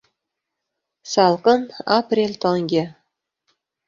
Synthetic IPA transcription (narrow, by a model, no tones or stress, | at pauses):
sɑlˠkɤnaprʲelʲt̪oŋɡʲe